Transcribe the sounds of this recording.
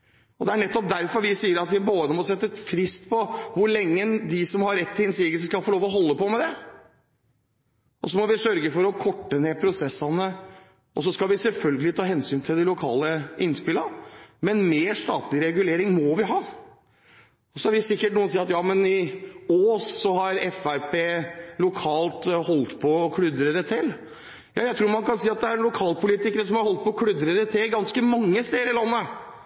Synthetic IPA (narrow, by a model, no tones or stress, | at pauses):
ɔd̪ɛæɳɛt̪ːɔp̚d̪æɾfɔɾʋɪsiːəɾɑt̪ʋɪboːd̪əmɔsɛt̪ːəɛfɾɪst̪pʰɔʋʊɾɭɛŋːəd̪ɪsɔmhɑɾːɛt̪ːɪlɛnsiːɡəskɑlfɔɭoːʋɔɦɔlːəpɔmɛd̪ɛ | ɔsɔmɔʋɪsœɾɡəfɔɾɔkʰɔʈːənepʰɾʊsɛsːɑnə | ʔɔs̬ɔskɑlʋɪsɛlfœlɡəlɪt̪ʰɑːhɛnsyːnt̪ʰɪld̪ɪlʊkʰɑ̰ːləɪnspɪləmɛnmeːʂt̪ɑːt̪lɪɾɛɡʉleːɾɪŋmɔʋɪɦɑː | ɔsɔæɾʋɪsɪkːəʈnuːənsiːɑt̪jɑːmɛnɪoːssɔhɑɾɛfæɾpʰeːlʊkʰɑːlt̪hɔlt̪pʰɔkʰɽʏd̪ɾəɾət̪ʰɪl | jʔɑ̰ːjæɪt̪ʰɾuːɾmɑnkɑnsiːɑt̪̚d̪ɛæɾnlʊkʰɑːlpʰʊliːt̪ɪkəɾəsɔmhɑɾhɔlt̪̚pɔkʰɽʉd̪ɾəɾət̪ʰɪlɡɑnskəmɑŋːəst̪eːəɾɪlɑnːə